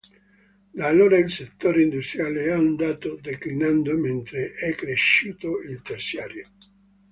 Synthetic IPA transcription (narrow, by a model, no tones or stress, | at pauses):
d̪aːlːoːɾailset̪ːoːɾeind̪ust̪ɾjaːleaund̪aːt̪od̪eklinand̪oment̪ɾeʔɛkːɾeʃːiːt̪oilt̪ersjaːɾjo